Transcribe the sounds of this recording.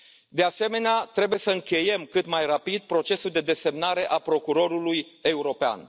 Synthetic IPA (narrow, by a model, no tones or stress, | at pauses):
d̪e̞ase̞me̞neat̪ɾe̞buje̞səɨŋkʲe̞je̞mkɨt̪majrapid̪̚pɾo̞t͡ʃe̞suld̪e̞d̪e̞se̞mnaɾe̞ʔapɾo̞kuɾo̞ɾuluje̞uɾo̞pea̰n